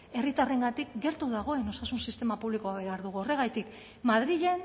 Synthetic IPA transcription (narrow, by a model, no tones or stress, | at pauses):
e̞rit̪are̞ŋɡat̪ik̚ɡe̞ɾt̪uðaɣ̞o̞e̞no̞sasunsist̪e̞mapuβliko̞aβe̞aɾðuɣuo̞re̞ɣ̞ajt̪ik | mað̞ɾiʎe̞n